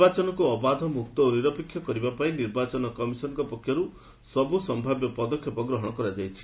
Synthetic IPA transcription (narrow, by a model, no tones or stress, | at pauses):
bat͡ʃɔnɔkuɔbad̪ʱɔmuk̚t̪ɔoniɾɔpikʰːjɔkɔɾibapaĩniɾbat͡ʃɔnɔkɔmisɔnɔŋkɔpɔkʰːjɔɾu | sɔbusɔmbʱabjɔpɔd̪ɔkʰjɔpɔɡɾɔɦɔɽ̃ɔkɔɾad͡ʒajt͡ʃʰi̥